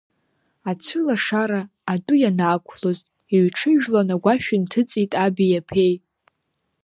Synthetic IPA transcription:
at͡sʷʰʊlaʂaɾaː | dujanaːkʷʰloztʼ | iɥʈ͡ʂʰɨʒᶣlanaɡʷaʃᶣɪntʰɨt͡sʼitʼabijapʰe̞j

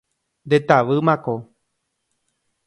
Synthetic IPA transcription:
nd̪et̪aʋɨmãko

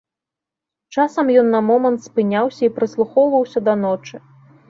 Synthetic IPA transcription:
t͡ʂasɐmjɔnːɐmɔmɐnt̪spɨnʲawsʲɐipɾɨslˠuxɔwvɐwsʲɐd̪ɐnɔt͡ʂɨ

